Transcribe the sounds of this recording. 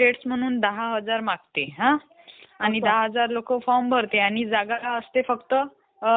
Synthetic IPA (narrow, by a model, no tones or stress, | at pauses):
eʈsm̤əɽ̃uːnd̪əɦaɦəd͡zaɾmak̚t̪eɦã | añid̪əɦaɦəd͡zaɾlokəfɔmbʱəɾt̪eaɽ̃id͡zaɡalaəst̪efəkt̪ə